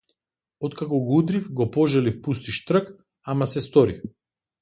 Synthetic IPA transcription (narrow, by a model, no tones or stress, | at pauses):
ɔt̪kakɔɡud̪ɾifɡɔpɔʒalifpust̪iʃt̪rək | amasɛst̪ɔɾḭ